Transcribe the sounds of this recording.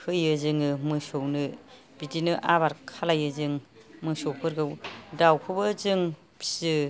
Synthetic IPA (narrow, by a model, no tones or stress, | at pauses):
kʰɯjɯzɯŋɯmɯsownɯ | bitinɯʔabaɾkʰalajɯzɯŋmɯsowpʰɯɾɡɯwdawkʰɯbɯzɯŋ | pʰsɯ